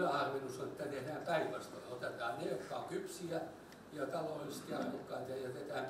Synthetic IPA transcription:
næhɑrʋenusːonet̪ːæt̪ehdæːmpæiʋæst̪oleot̪et̪ɑːnnejokːɑːŋkypsiæ | jɑt̪ɑlolːist̪iɑ̰okːɑit̪ɑjæt̪et̪æːmp

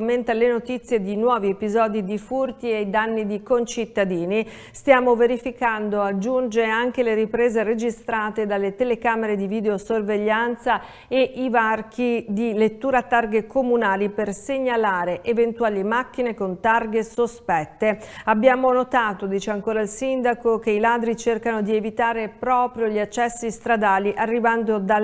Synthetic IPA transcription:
mːent̪alenot̪it̪sːjed̪inwɔːviepizɔːd̪id̪ifurt̪iejd̪anːid̪ikont͡ʃit̪ːad̪iːni | st̪jaːmoveɾifikand̪oad͡ʒːund͡ʒeaŋk̟eleɾipɾeːzered͡ʒist̪ɾaːt̪ed̪alːet̪elekaːmeɾed̪iviːd̪eosorveʎːant̪sa | eʔivark̟ʰid̪ilet̪ːuːɾat̪ːarɡekomunaːliperseɲːalaːɾeʔevent̪uaːlimak̟ːinekont̪arɡesospɛt̪ːeabːjaːmonot̪aːt̪od̪iːt͡ʃeaŋkoːɾailsind̪akok̟eilaːd̪ɾit͡ʃerkanod̪ievit̪aːɾepɾɔːpɾjoʎiat͡ʃːɛsːist̪ɾad̪aːliʔarːivand̪od̪a

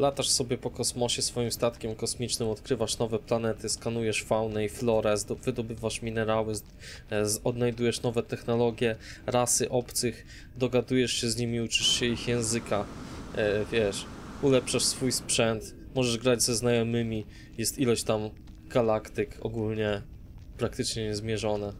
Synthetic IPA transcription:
lat̪aʂsɔbʲjɛpɔkɔsmɔɕɛsfɔjimst̪at̪kʲɛmkɔsmʲit͡ʂnɘmɔt̪kɾɘvaʂnɔvɛplanɛt̪ɘskanujɛʂfawnɛiflɔɾɛzvɘd̪ɔbɘvaʂmʲinɛɾawɘ | ɔd̪najd̪ujɛʂnɔvɛt̪ɛxnɔlɔɡʲjɛɾasɘʔɔpt̪sɘx | d̪ɔɡad̪ujɛʂɕɛzɲimʲiut͡ʂɘʂɕɛixjɛ̃w̃zɘka | vʲjɛʂulɛpʂaʂsfujspʂɛnt̪ | mɔʐɛʐɡɾad͡ʑzɛznajɔmɘmʲi | jɛst̪ilɔɕt̪am | ɡ̥alakt̪ɘkɔ̰ɡulɲɛ | pɾak̚t̪ɘt͡ʂɲɛɲɛzmʲjɛʐɔnɛ

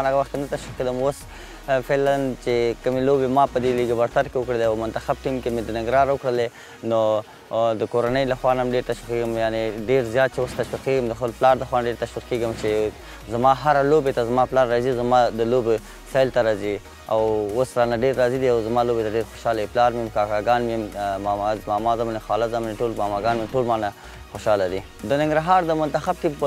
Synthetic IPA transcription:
naɣawaxt̪kenat̪aʃwiqːed̪əmos | felant͡ʃekəmelobemɑpəd̪eliɡabaɾt̪aɾkewʊkɽəleawmʊnt̪axab̚ʈimkemed̪ənɪŋɡɾɑɾwʊkɽəle | no | d̪əkoɾanəjlaxwɑnamɖeɾt̪aʃwiqeɡəmjaneɖeɾzjɑt̪̚t͡ʃewost̪aʃwiqkeɡəmd̪əxpəlplɑɾd̪əxwɑnaɖeɾt̪aʃwiqkeɡəmt͡ʃe | zamɑɦaɾalobet̪azamɑplɑɾːɑzizamɑd̪əlobe | sajlt̪aɾɑzi | awosɾanaɖeɾːɑzid̪iawzamɑlobet̪aɖeɾxo̥ʃɑlaiplɑɾmemkɑkɑɡɑnmmmɑmzmɑmɑzamanexɑlazamneʈolmɑmɑɡɑnmeʈolmana | xoʃɑlad̪i | d̪ənɪŋɡɾaɦɑɾd̪əmʊnt̪axab̚ʈ̪ib

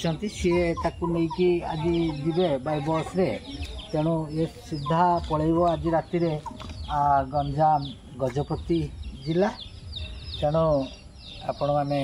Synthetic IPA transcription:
t͡ʃɔnt̪isiet̪akumejkia̰d͡ʒid͡ʒ̪ibebajbɔsɾet̪eɽ̃uesid̪ʱːapɔɭajbɔad͡ʒiɾat̪iɾeaɡɔnd͡ʒam | ɡɔd͡ʒɔpɔt̪id͡ʒila | t̪eɽ̃u | a̰pɔɽ̃ɔmane

